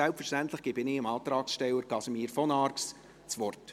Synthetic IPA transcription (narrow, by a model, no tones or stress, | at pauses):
ɛlpfəɾʃtænt̪ləχɡ̥ɪbɪnɪəmɑːt̪ɾɑːksʃtɛlːəɾkɑsəmiːɾfɔnɑrks | t͡sʋɔrt